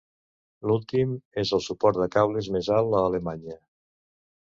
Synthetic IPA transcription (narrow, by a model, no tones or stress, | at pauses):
lulˠt̪imezəlˠsupɔɾt̪d̪əkawlezmezalˠəːlemaɲə